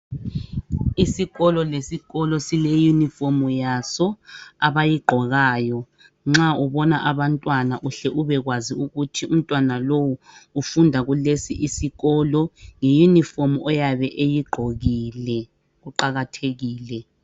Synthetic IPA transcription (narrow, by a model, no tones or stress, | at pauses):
isiɣɔlɔlesiɣɔlɔsilejunifomujasɔaβajiɡ͡ǃʱɔɣaːjɔ | ŋ͡ǁauβɔnaʔaβantʼwanaʔuɬɛʔuβɛɣwaziuɣutʰium̩tʼwanalowuːfundʱaɣulesiʔisiɣɔːlɔŋejunifomuʔɔjaβɛʔejiɡ͡ǃʱoɣiːlɛ | ɣuǃaɣatʰeɣiːlɛ